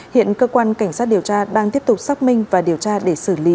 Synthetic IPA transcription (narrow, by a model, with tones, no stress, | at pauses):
hḭ˧˨ənkəː˧kwaː˧nka˧˩jŋ̟saː˦˥t̚ɗi˨˩əwt͡ɕaː˧ɗaː˧ŋt̪i˦˥əp̚t̪ʊ˨˩k͡p̚sa˦˥k͡p̚mï˧ŋ̟vaː˨˩ɗi˨˩əwt͡ɕaː˧ɗe˧˩sɨ˧˩li˧˦